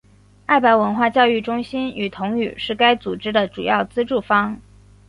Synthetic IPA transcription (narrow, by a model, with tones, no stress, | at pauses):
a˥˩ɪpa˧˥ɪwə˧˥nxwa˥˧t͡ɕjɑ˥˧ʊy˥˩ʈ͡ʂʊ˥ŋɕi˥ny˨˩t̪ʰʊ˧˥ŋy̰˨˩ʂɻ̩˥˩ka˥ɪt͡su˨˩ʈ͡ʂɻ̩˥d̪ə˨ʈ͡ʂu˨˩jɑ˥˩ʊt͡sɹ̩˥ʈ͡ʂu˥˩fɑ˥ŋ